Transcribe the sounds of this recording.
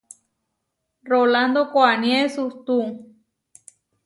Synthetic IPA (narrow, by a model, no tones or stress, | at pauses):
roland̪okoanjesust̪u